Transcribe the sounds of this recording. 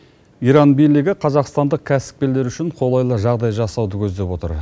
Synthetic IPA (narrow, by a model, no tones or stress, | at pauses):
iɾɑnbijlɪɡʲɪqʰɑzɑqst̪ɑnd̪əq̚kʲʰæsɪ̥p̚kʲe̞le̞ɾʏʃɪɴqʰo̞lˠɑjlˠəʒɑʁd̪ɑjʒɑsɑwd̪əkʲʰɵzd̪e̞pwo̞t̪ə̰ɾ